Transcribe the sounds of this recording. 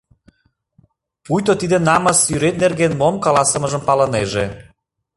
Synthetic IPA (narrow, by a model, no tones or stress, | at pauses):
pujt̪ot̪id̪ənɑməsyɾet̪̚nerɣenmomkɑlɑsə̆mə̆ʒəmpɑləneʒe